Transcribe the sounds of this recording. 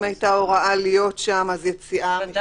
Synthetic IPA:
ajtaoʁaʔalijo̞tʃamazjet͡siʔa

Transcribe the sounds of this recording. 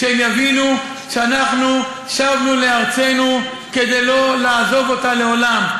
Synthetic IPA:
ʃemjavinu | ʃeanaχnu | ʃavnule̞aʁt͡se̞nu | ke̞d̪ejlo̞laːzo̞vo̞tale̞o̞lam

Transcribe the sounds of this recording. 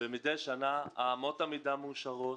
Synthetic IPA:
bemid̪ejʃanaaːmo̞t̪amidamuʃaʁo

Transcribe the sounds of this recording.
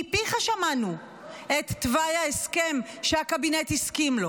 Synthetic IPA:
piχaʃamanu | et̪ːvajaeske̞mʃeakabinethiskimlo̞

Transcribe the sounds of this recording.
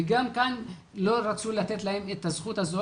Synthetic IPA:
eɡamkan | lo̞ɾat͡sulat̪e̞t̪lahe̞met̪azχut̪hazo

